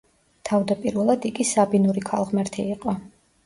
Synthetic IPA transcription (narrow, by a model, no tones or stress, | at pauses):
t̪ʰavd̪apʼiɾvɛlˠad̪iɡisabinuɾikʰalˠʁmɛɾt̪ʰiːqʼɔ